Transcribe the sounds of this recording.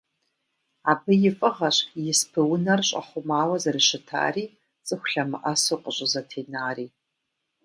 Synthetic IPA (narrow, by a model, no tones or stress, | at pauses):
aːbɨjɪfʼɨʁɐɕjɪspʰɨwʊnɐrɕʼɐ̰χʷʊmaːwɐzɐrɨʃɪtʰa̰ːriː | t͡sʼɨxʷʊɬɐmɨ̰ʔɐsoqʼəɕʷʼɪzɐtʰeːnaːriː